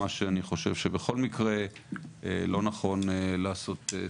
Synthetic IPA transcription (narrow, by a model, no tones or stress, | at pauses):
aʃeaniχo̞ʃe̞vʃebeχo̞lmikʁe̞elo̞naχo̞nlaːso̞t̪e